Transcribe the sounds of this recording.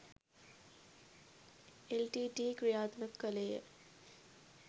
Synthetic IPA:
elʈiːʈiːkɾijaːt̪nəkːəleːə̰

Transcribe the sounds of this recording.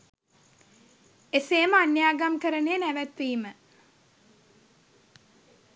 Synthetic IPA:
eseːməanjaːɡamkəɾəneːnæʋæt̪ʋiːmə

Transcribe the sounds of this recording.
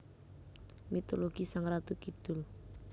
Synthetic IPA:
mit̪oloɡ̥isaŋrat̪ukid̪̥ʊ̤l

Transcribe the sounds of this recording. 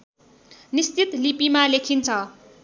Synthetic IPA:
nist͡sit̪lipimalekʰint͡sʰʌ

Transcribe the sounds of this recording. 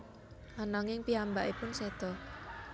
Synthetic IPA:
ʔanaŋɪŋpiambaʔipʊnsɛd̪̥ɔ

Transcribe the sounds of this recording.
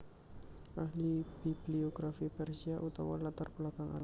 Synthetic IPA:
ahlib̥ib̥lioɡɾafipɛrsiaʔut̪a̰wa̰lat̪arpulakaŋa̰la

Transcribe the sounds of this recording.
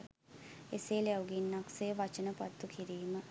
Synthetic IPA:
eseːljawɡinːaksejəʋat͡ʃənəpat̪ːukiɾiːmə

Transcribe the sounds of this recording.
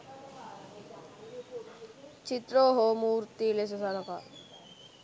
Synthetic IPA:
t͡ʃit̪ɾoːɦomuːɾt̪iles̬ɐsɐɾɐpa̰

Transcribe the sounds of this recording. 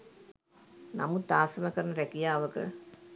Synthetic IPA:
namut̪̚d̪aːsəməkəɾənəɾækijaːʋəkə̰

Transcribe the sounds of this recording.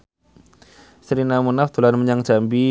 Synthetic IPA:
səɾinamunaft̪ulanməɲaŋd͡ʒ̥ambi

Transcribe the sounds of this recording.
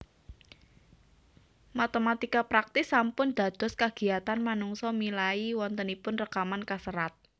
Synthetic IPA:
mat̪emat̪ikapɾak̚t̪ɪsːampʊnd̪̥a̤d̪̥ɔ̤skaɡ̥i̤at̪anmanuŋsɔmilaiwɔnt̪ənipʊnrəkamankasəɾat̪̚

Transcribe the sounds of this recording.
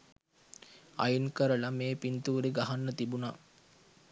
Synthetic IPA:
a̰junkəɾəlameːpint̪uːɾiɡaɦanːət̪ibuna

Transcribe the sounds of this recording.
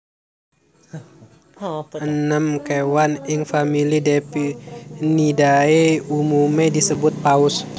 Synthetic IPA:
ənəmkewanɪŋfamilidepinidaeumumedisəbʊt̪̚paʊs

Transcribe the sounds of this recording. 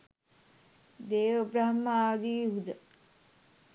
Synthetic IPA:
d̪eːʋəbɾaɦmːəaːd̪iːɦud̪ə

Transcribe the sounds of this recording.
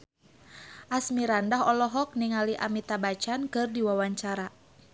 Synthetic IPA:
ʔasmiɾandaɦɔlɔɦɔk̚niŋaliʔa̰mit̪abat͡ʃankɨrdiwawaɲt͡ʃaɾa

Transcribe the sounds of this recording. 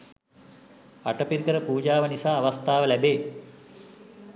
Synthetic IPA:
a̰ʈəpiɾikəɾəpuːd͡ʒaːʋənisaːʋast̪aːʋəlæbeː

